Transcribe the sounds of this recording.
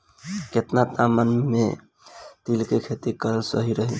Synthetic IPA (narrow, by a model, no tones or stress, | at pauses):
ket̪nat̪amənme | t̪ilkekʰet̪ikəɾəlsə̰ɦiɾəɦi